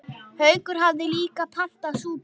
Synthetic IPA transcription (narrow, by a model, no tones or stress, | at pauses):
hœːɥkʏɾ̥ɦavðɪliːkapʰan̥t̪asuːp